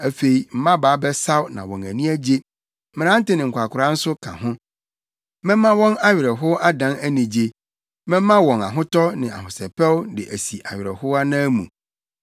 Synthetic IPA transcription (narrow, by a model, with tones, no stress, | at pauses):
æ˨fe˨i˨m̩˦mã˦baː˨˦bɛ˦sa˦wnã̰˨wɔ̃˨næ˨nĩ˦æ˦d͡ʑe˦ | mɪ̃˨nã˦n̩˦tɪ˦nɪ̃˨ŋ̩˨kʷʰa˨kʰʊ˨ɾã˦n̩˦sʊ˦kʰã̰˨ɦʊ̃˦ | mɛ̃˦mã˦wɔ̃˦na˦ɥɪ˨ɾɛ˨ɦʊ˦ʔa˦dã˨˦næ˦nĩ˨d͡ʑe˨ | mɛ̃˦mã˦wɔ̃˨na̰˨ɦʊ̃˦tɔ˦nɪ̃˨a̰˨ɦʊ̃˨sɛ˨pʰɛ˦wʊ˦dɪ˨ʔæ˨si˨ʔa˨ɥɪ˨ɾɛ̰˨hʊ˦a˦nãː˦mṵ̃˨